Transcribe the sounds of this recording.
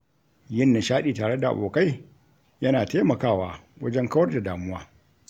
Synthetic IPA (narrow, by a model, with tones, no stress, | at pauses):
jɪ˦nːa˨ʃaː˦ɗiː˨taː˨ɽe˦da˨ʔa̰˨ɓoː˨ka˦j | jɐ˦naː˨taː˦mɐ˨kaː˦˨waː˦wɐ˦d͡ʒɛ˦ŋkɐ˦wɐ˦rda˨daː˨mʊ˦waː˦